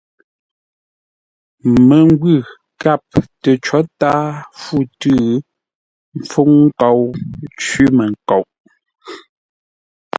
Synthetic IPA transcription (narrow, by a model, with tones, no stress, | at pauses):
mə˨ŋ˦ɡwʉ˦˨ | ka˦˨p̚tə˨t͡ʃɔ˨˦taː˦fu˦˨tʉ˦˨ | m˨˦fu˦ŋŋ̩˦kɔ˨wt͡ʃɥi˦mə˨ŋ˨ko˨wʔ